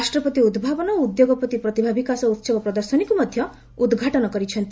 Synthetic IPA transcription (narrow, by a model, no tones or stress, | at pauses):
sʈɾɔpɔt̪iud̪bʱabɔnɔud̪joɡɔpɾɔt̪ipɾɔt̪ibʱabʱikasɔut̪sɔbɔpɾɔd̪ɔɾsɔnikumɔd̪ʱjɔ | ud̪ɡʱaʈɔnɔkɔɾit͡ʃʰɔnt̪